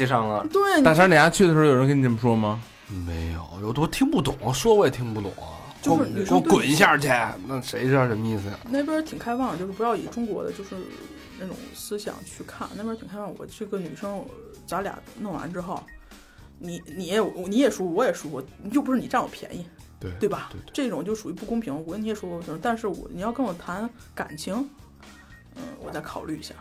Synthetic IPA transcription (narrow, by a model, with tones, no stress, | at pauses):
t͡ɕi˥ʂɑ˥˩ŋlə˨˩t̪we˥˩ɪt̪a˥˩ʂʰa˥la˥t͡ɕʰy˥˩ə˩ʂɻ̩˧˥˩jo˨˩˧k̬n˨˧ʈ͡ʂʰmə˩ʂwɔ˥mɐ˨ | me˧˥ɪjo˨˩˦ʊjo˧˩ʊt̪wɔ˥t̪ʰi˥ŋpu˥˩t̪ʊ˨˩˦ŋɐ˦ʂwɔ˥wt̪ʰi˥ŋpu˥˩t̪ʊ̰˨˩˦ŋɐ̰˦ | t͡ɕo˥˧ʊ˥ʂɻ̩˥˩ny˩ʂt̪kwʊ˨˩ni˧˥ɕja˥˩t͡ɕjɛ˥˩na˥˩ʂe˧˥ɪʂɻ̩˥˩jɑ˥˧˩ʂə˧˥mə˧i˥˩s̩˩˨˩ne˥˩ɪp̬jɛ˥t̪ʰi˨˩ŋkʰa˥ɪwɑ˥˩ŋə˨t͡ɕjʂɻ̩˥˩˧jɑ˥˩ḭ˨˩ʈ͡ʂʊ˥ŋkwɔ˧˥d̪ə̰˧t͡ɕjo˥˧ʊʂɻ̩˥˧˩ | na˥˩ʈ͡ʂʊ̰˨˩ŋsɹ̩˥ɕjɑ̰˨˩ŋt͡ɕʰy˥˧kʰa˥˩n˥˩pjt̪ʰi˨˩ŋkʰa˥ɑ˥˩ŋwɔ̰˨˩t͡ɕʰy˥˩ɡə˥ny˨˩ʂɤ˥ŋ | t͡sa˧˥lja̰˨˩nɤ˥˩ŋwa̰˧˥nʈ͡ʂɻ̩˥xo˥˩ʊ | ni˧˥ni˨˩jɛ˥wwni˧˥jɛ˨˩ʂwɔ˥˧˩wɔ˧˥jɛ˨˩ʂwɔ˥wɔ˧˩t͡ɕjo˥˩p̬u˧˥ʂɻ̩˥˩n˨˧a˥˩wɔ̰˨˩pʰjɛ̰˧˥ni˧˩˥ | t̪we˥˩ɪɐ˩ʈ͡ʂɤ˥˩i˥˩ʈ͡ʂʊ˨˩ŋt͡ɕo˥˩ʊ˩ʂu˨˩y˧˥pu˥˩kʊ˥ŋpʰi˧˥ŋ˧wɔ˧˥ni˧˥jɛ˨˩ʂɔ˥wɔ˧˩˧t̪a˥˧nʂ̬ɻ̩˥˩wɔ̰˧˩ni˨˩jɑ˥˧ʊkɤ˥ŋwɔ˨˩t̪ʰa˧˥n | ka̰˨˩nt͡ɕʰi˧˥ŋ | ə̰˥˧˩wɔ˨˩t͡sa˥˩ɪkʰɑ˨˩ʊly˥˩i˧˥ɕja̰˥˩